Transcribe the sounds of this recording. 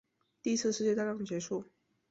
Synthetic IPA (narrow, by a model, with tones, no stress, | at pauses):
t̪i˥˧˥t͡sʰɹ̩˥˧ʂɻ̩˥˧t͡ɕjɛ˥˧t̪jɑ˥˩ŋd̪ə˩t͡ɕjɛ˧˥ʂu˥˩